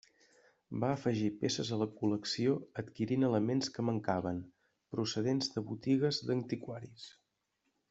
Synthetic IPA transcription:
baəfəʒipesəzələkuləksioət̪kiɾinələmenskəməŋkaβəm | pɾusəðenzðəβut̪iɣ̞əzd̪ənt̪ikwaɾis

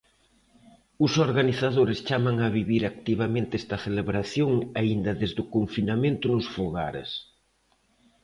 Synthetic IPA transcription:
ʊsoɾɣaniθaðoɾɪst͡ʃamaŋaβiβiɾak̚t̪iβ̞amẽnt̪eɛst̪ɐθeleβɾaθjoŋaind̪ɐðezðʊkoɱfinamẽnt̪ʊnʊsfoɣaɾḛs

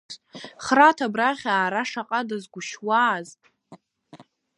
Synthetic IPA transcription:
χratʰabraʁʲaːɾaʂaqʼadazɡʷʊʃwaːzʼ

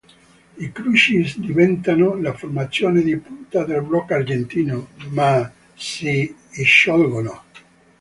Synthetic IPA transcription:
ikɾut͡ʃisd̪ivɛnt̪anolaformat̪sːjoːned̪ipunt̪ad̪elbɾɔkard͡ʒent̪iːnoma | siːʃːɔlɡono

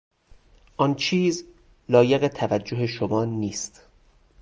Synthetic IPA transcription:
ʔɒːnt͡ʃʰiːz | lɒːjeɣet̪ʰævæd͡ʒːoɦe̞ʃomɒːniːst̪

